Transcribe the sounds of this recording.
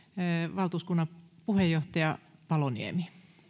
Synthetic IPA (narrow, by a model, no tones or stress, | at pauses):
ʋɑlt̪uːskunːɑpuhejoht̪ɑjɑpɑlonḭḛmi